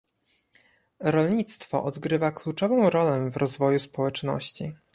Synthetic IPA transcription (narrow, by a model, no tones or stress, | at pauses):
ɾɔlɲit̪st̪fɔ̰ʔɔd̪ɡɾɘvaklut͡ʂɔvɔ̃w̃ɾɔlɛvɾɔzvɔjuspɔwɛt͡ʂnɔ̰ɕt͡ɕi